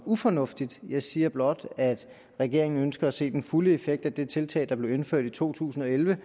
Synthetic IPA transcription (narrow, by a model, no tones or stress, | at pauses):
ufɒ̽nɔ̽fd̥id̥jɑ̈ɪsiːɐb̥lɒ̽d̥æd̥ | ʁɛɡ̥e̝ɐ̰e̝ŋn̩ønsɡ̥ɐæse̝̰ːd̥enfuləe̝feɡ̥̚d̥æd̥e̝t͡sʰe̝lt͡sʰɛ̰ːd̥ɑ̈b̥le̝ʊe̝nføɐ̰d̥it͡sʰo̝̰ːt͡sʰṵːsn̩ɒ̽elʋə